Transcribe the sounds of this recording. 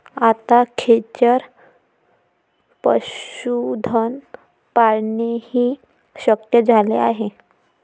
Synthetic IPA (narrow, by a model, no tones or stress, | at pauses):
at̪akʰet͡ɕəɾ | pə̰ɕud̪ʱən | paɽɳehiː | ɕəkjəd͡zʱalḛaɦe